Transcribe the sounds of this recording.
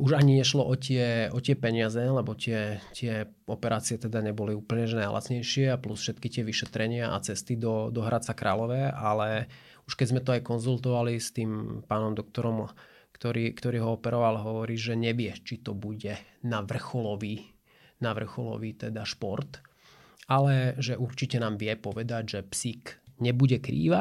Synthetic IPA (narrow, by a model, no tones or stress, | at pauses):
uʒaɲiɲɛʃlɔʔɔcɪɛɔcɪɛpɛɲɪazɛlɛbɔt̪ɪɛt̪ɪɛ | ɔpɛɾʔaːt͡siɪɛt̪ɛd̪aɲɛbɔliuːpl̩ɲɛʒɛnajlʔa̰t͡sɲɛjʃɪɛaplusfʃɛt̪kit̪ɪɛʋiʃɛt̪ɾɛɲɪaʔa̰t͡sɛst̪id̪ɔd̪ɔɦɾʔat͡sakɾʔa̰ːlɔʋɛalɛ | uʃkɛzmɛt̪ɔajkɔnzult̪ɔʋalist̪iːmpaːnɔmd̪ɔk̚t̪ɔɾɔm | kt̪ɔɾiːkt̪ɔɾiːɦɔɔpɛɾɔʋalɦɔʋɔɾiːʒɛɲɛʋɪɛt͡ʃit̪ɔbuɟɛnaʋr̩xɔlɔʋiː | naʋr̩xɔlɔ̰ʋiːt̪ɛd̪aʃpɔɾt̪ | alɛʒɛʔuɾt͡ʃicɛnaːmʋɪɛpɔʋɛd̪aɟʒɛpsikɲɛbuɟɛkɾḭːʋa